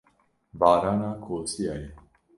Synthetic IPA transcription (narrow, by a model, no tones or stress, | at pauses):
vaːɾanakʰosiaje